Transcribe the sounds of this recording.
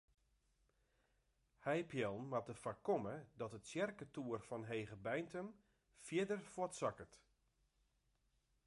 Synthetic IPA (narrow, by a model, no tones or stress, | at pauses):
hɛjpʰjɛlˠnmatəfakɔmədɔtətsjɛrkətuərfɔnɦeːɣəbɛjntʰəm | fjɪdərfɔtsakət